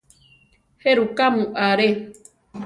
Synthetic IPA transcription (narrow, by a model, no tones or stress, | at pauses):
heɾukamũʔaɾe